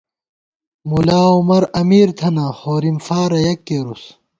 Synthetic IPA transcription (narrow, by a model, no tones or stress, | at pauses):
mulaːumɐɾɐmiːɾt̪ʰɐnaːhoːɾimfaːɾɐjɐkːeːɾus